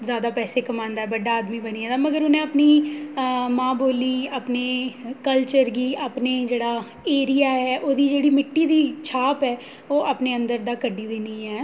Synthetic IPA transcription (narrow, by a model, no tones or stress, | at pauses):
zjaːd̪aːpɛːseːkəmãːnd̪aːɛːbəɖaːd̪miːbəniːãːd̪aːməɡəɾʊnẽːəpniː | mãːboːliːaːpneːkəlt͡ʃəɾɡiːʔaːpneːd͡ʒeːɽaː | eːɾijaːɦɛːʔoːd̪iːd͡ʒeːɽiːmɪʈːiːd̪iːt͡ʃʰaːpɛː | oːʔaːpneːənd̪əɾd̪aːkəɖiːd̪ɪniːɦɛː